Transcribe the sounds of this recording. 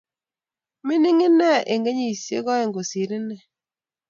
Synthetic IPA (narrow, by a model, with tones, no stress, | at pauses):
mɪ˦ni˦ŋi˦nɛ˦ʔe˨ŋɡe˦ɲi˦˨i˨sjḛ˦ɣɔ˦e˨ŋɡo˨si˨ɾi˦nɛ˦˨